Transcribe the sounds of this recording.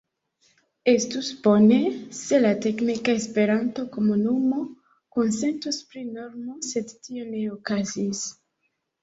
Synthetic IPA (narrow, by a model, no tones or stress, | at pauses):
e̞stusb̥o̞ne̞se̞late̞knikaespe̞ɾanto̞ko̞munumo̞ | ko̞nse̞ntuspɾino̞ɾmose̞dtio̞ne̞okazis